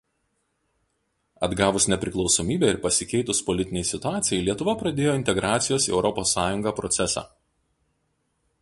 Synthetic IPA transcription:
ɐd̪ɡɑːʋʊsnʲɛpʲɾʲɪklˠɒʊsomʲiːbʲɛːɪɾpɐsʲɪkʲɛɪt̪ʊspɔlʲɪt̪ʲɪnʲɛɪsʲɪt̪ʊɑːt̪sʲɪjɛɪlʲiɛt̪ʊʋɐpɾɐd̪ʲeːjoːɪnʲt̪ʲɛɡɾɑːt̪sʲɪjoːsiɛʊɾɔposːɑːjʊŋɡɑːpɾɔt̪sʲɛsɑ̰ː

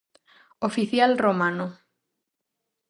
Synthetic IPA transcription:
ofiθjalromano

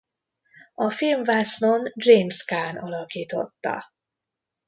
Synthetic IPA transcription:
ɒfilmvasnond̪rejmskaːnɒlɒkiːt̪o̞̰t̪ːɒ̰

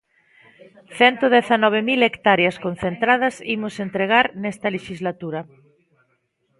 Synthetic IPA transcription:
θɛnt̪oðeθanɔβ̞emilekt̪aɾjaskon̟θent̪ɾað̞ɐsimosent̪ɾeɣ̞aɾnɛst̪ɐleʃizlat̪uɾɐ

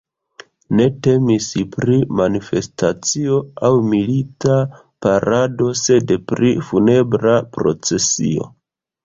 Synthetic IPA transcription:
ne̞te̞misipɾimanife̞stat͡sio̞awmilita | paɾado̞se̞dpɾifune̞bɾapɾo̞̰t͡se̞sḭo̞̰

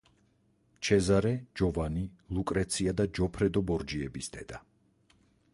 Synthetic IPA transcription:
mt͡ʃʰɛzaɾɛd͡ʒɔvani | lˠukʼɾɛt̪sʰiad̪ad͡ʒɔpʰɾɛd̪ɔbɔɾd͡ʒiɛbisd̪ɛd̪a

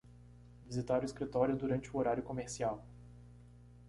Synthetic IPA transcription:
vizit̪aɾʊiskɾit̪ɔɾjʊd̪uɾɐ̃nt͡ʃɪʊoɾaɾjʊkomeɾsiaw

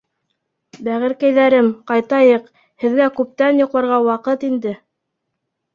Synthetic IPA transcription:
bæʁɘ̆ɾkæjðæɾɘmqɑjt̪ɑjɤq | hɘ̆ðɡækʉp̚t̪ænjŏqlˠɑɾʁɑwɑqɤt̪ind̪ɘ

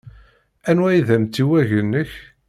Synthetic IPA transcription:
ænwæjðæmt̪ːiwæʝənːəç

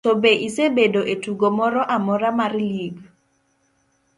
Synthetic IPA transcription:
tobeʔisebedoʔetuɡomɔɾɔʔamɔɾamarliɡ

